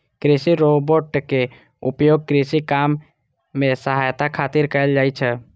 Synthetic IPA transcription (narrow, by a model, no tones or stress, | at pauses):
kɾisiɾoboʈke | ʊpjoːɡ̚kɾisikamː | ẽsəɦajt̪akʰat̪iɾkəld͡ʒaːit͡ʃʰɛ